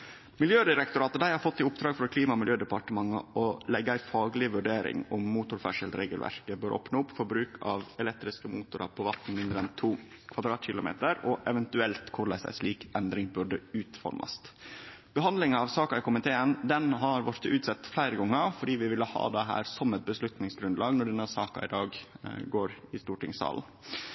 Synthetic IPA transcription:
mɪljøːd̪ɪɾɛkt̪ʊɾɑːt̪əd̪æɪhɑɾfɔt̪ːɪʊpd̪ɾɑːɡfɾɔkʰliːmɑɔmɪljøːd̪ɛpɑʈəmɑŋːəɔlɛɡːəæɪfɑːɡlɪʋʉɖeːɾɪ̰ŋʊmːuːt̪ʊɾfɑʂəlɾḛːɡəlʋʔæ̰ɾkəbøːɾʔɔ̰pnəʊpːfɔɾbɾʉːkʰɑʋɛlɛk̚t̪ɾɪskəmuːt̪ʊɾɑ̰pʰɔʋɑt̪n̩mɪnd̪ɾəɛnt̪ʰuː | kʰɑd̪ɾɑːt̪ɕɪlʊmḛːt̪əɾɔʔɛʋɛnt̪ʉɛlt̪kʰʊɾɭæ̰ɪsæ̰ɪsliːkɛnd̪ɾɪŋbʉɖəʉːt̪fɔ̰ɾmʔɑ̰st̪b̥əɦɑnd̪lɪŋəɑʋsɑːkɑɪkʊmɪt̪ʰeːənd̪ɛnɦɑɾʋɔɾt̪əʉːt̪sɛt̪ːflæɪɾəɡɔŋːəfɔɖiːʋɪʋɪlːəhɑ̰ːd̪ɛɦæ̰ːɾsɔmɛt̪̚bəslʉt̪nɪŋsɡɾʉnd̪lɑːɡnɔɖɛnːəsɑːkɑ̰ɪd̪ɑːɡɡoːɾɪst̪uːʈɪ̰ŋsɑ̰ːln̩

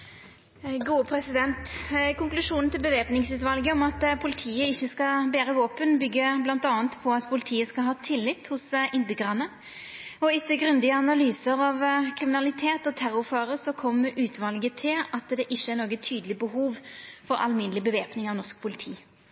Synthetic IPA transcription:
ɡuːəpʰɾɛsɪd̪ɛnt̪kʊŋklʉʂuːnn̩t̪ɪlbəʋeːpnɪŋsʉːt̪ʋɑlɡəɔmɑt̪pʰʊlɪt̪ʰiːəɪçːəskɑbæːɾəʋoːpənbʏɡːəblɑnt̪ɑːənt̪pʰɔɑt̪pʰʊlɪt̪ʰiːəskɑlɦɑːt̪ʰɪlːɪt̪hʊsɪnbʏɡəʁɑnə | ɔɪt̪ːəɡɾʉnd̪ɪəɑnɑlyːsəɾɑʋkʰɾɪmɪnɑlɪt̪ʰeːt̪ɔt̪ʰæɾʊɾføːɾəsɔkʰɔmːəʔʉːt̪ʰʋɑlɡət̪ʰɪlɑt̪d̪ɛʔɪçːəæɾnoːɡət̪ʰyːd̪əlɪbəɦuːʋfɔɾɑ̰lmɪnlɪbəʋeːpnɪŋɑʋnɔsk̚pʰʊlɪt̪ʰḭː

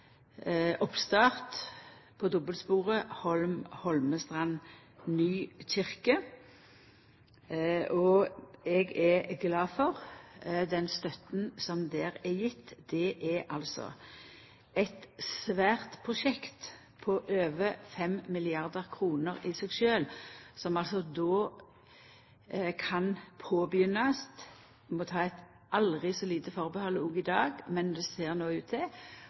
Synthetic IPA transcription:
ɔpst̪ɑːʁt̪ | pʰɔd̪ɔbəlspuːʁəhɔlmhɔlməst̪ʁɑn | nyːt͡ʃɪʁkə | ʔɔɛɡɛɡlɑːfɔʁd̪ɛnst̪œt̪nsɔmd̪eːʁɛjɪt̪ːd̪̥ɛʔɛʔɑlsɔ̰ | ɛɪt̪sʋæːʁt̪pʰʁʊʂɛkt̪ | pʰɔʔøːʋəfɛmmɪlɪɑʁd̪əʁkʰʁuːnəʁɪsɛɡʃøːlsɔmɑlsɔd̪oː | kʰɑnpʰoːbjʏnɑst̪ | mɔt̪ʰɑːɛɪt̪ | ʔɑlʁɪsɔliːt̪əfɔʁbəhɑlːuːɡɪd̪ɑːɡmɛnd̪ɛseːʁnoːʉːt̪̚ʰd̪ɛ

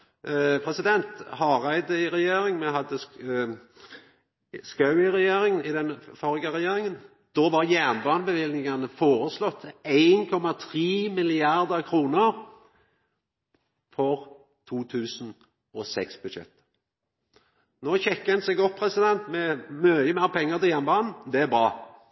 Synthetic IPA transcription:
pʰʁɛsɪd̪ɛnt̪hɑʁæɪd̪əɪʁɛjeːɾɪŋmɛɦɑd̪ːə | skɑʉɪʁɛjeːɾɪŋnɪd̪ɛnfɔɾɡəʁɛjeːɾɪŋən | d̪̥oːʋɑʁjæʁnbɑːnəbəʋɪlnɪŋɑnəfoːɾəslɔt̪ːeɪnkʰɔmɑt̪ʰʁiːmɪlɪɑɾd̪əʁkʰɾuːnəɾ | fɔʁ | t̪ʰuːt̪ʰʉːsn̩ | ɔsɛksbʉd̪ʃɛ̰t̪ː | noːçɛkːənsɛɡɔppʰːɾɛsɪd̪ɛnt̪mɛmøːəmæɪʁpʰɛŋːət̪ɪjæːʁnbɑːnn̩d̪ɛæbɾɑː

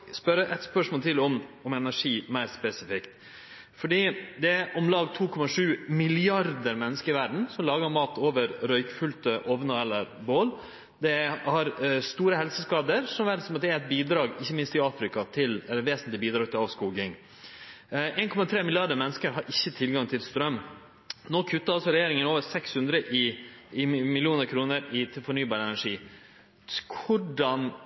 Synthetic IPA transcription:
spœɾəʔɛt̪spœʂmoːlt̪ʰɪlɔmɔmɛnæʂiːmæɪɾspɛsɪfɪkt̪ | fɔɖiːd̪ɛʔɔmlɑːɡt̪ʰuːkʰɔmɑʂʉːmɪlɪɑɾd̪əɾmɛnːəskəɾɪʋæɖɳ̩sɔmlɑːɡəɾmɑːt̪ʰoːʋəɾɾœʏkfʉlt̪əʔɔʋnəɛlːəɾboːl | d̪ɛhɑɾst̪uːɾəɦɛlsəskɑːd̪əɾsɔmʋæːɾsɔmɑt̪̚d̪ɛæɾɛɪt̪̚biːd̪ɾɑːɡɪçːəmɪnst̪ɪɑːfɾɪkɑt̪ʰɪlɛlːəʋeːsənlɪbiːd̪ɾɑːɡ̚t̪ʰɪlɑʋskuːɡɪŋ | eːnkʰɔmɑt̪ʰɾeːmɪlɪɑɖəɾmɛnːəskəɾɦɑɾʔɪçːət̪ʰɪlɡɑŋt̪ʰɪlst̪ɾœmː | noːkʰʉt̪ːəɾɑlsɔɾɛjeːɾɪŋənoːʋəɾsɛkshʉnd̪ɾəʔɪɪmɪlɪuːnəɾkʰɾuːnəɾɪt̪ʰɪfɔɳyːbɑːɾəɛnæʂiː | kʰʊɖɑn

